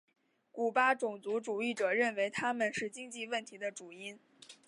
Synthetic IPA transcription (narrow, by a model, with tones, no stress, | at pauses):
ku˨˩pa˥ʈ͡ʂʊ˨˩ŋt͡su˧˥ʈ͡ʂu˨˩i˥˩ʈ͡ʂɤ˨˩ɻə˥˩nwe˧˥ɪt̪ʰa˥mə˨nʂɻ̩˥˩t͡ɕi˥ŋt͡ɕi˥˧wə˥˩nt̪ʰi˧˥d̪ə˧ʈ͡ʂu˨˩i˥n